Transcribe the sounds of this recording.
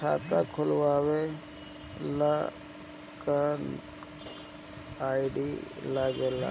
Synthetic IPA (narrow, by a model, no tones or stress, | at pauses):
a̰ːt̪akʰʊlwaːwe | la | kan | aːiɖilaɡela̰